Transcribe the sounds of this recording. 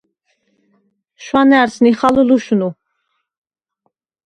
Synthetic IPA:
ʃwanɛaɾsniχaluluʃunu

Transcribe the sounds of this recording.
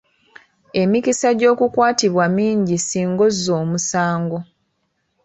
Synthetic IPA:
e̞mikisaɟo̞ːkukwaːtiβwamiːɲɟisiːŋɡo̞zːo̞ːmusaːŋɡo̞

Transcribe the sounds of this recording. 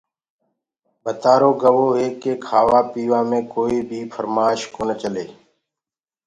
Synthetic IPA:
bʱət̪aːɾoːɡəʋoːɦeːkːeːkʰaːʋaːpiːʋãːmẽːkoːiːbʱiːfʰəɾmaːʃkoːnət͡ʃəleː

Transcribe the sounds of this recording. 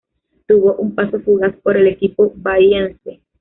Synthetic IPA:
t̪uβoʔumpasofuɣaspoɾelekipobajanse

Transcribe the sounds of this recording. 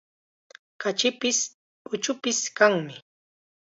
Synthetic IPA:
kat͡ʃɪpɪs | ʊt͡ʃʊpɪskaŋmɪ

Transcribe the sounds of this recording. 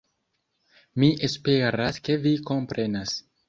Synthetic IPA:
miʔe̞spe̞ɾaske̞viko̞mpɾe̞nas

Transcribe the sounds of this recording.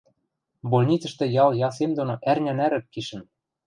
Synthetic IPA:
bolʲnʲit͡sə̆ʃt̪ĕjɑljɑs̬emd̪onoʔærnʲænæɾɘ̆kːiʃɘ̆n

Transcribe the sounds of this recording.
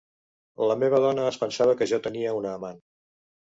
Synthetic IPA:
ləmeβəð̞ɔnəːspənsaβ̞əkəʒɔt̪əniəunəːman

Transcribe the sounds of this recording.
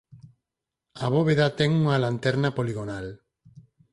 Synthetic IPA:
aβoβeðat̪ɛŋuŋalant̪ɛɾnapoliɣonal

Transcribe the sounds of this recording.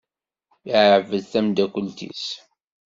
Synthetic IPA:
ʕvəðθæmd̪ækʷəlt̪ḭs

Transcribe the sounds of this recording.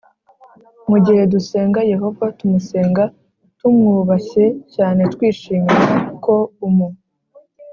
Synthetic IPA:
muɟihe̞duse̞ːŋɡaje̞ɦo̞vatumuse̞ːŋɡa | tumŋuːβaçe̞caːne̞tkwiːʃiːmaakʰo̞umu

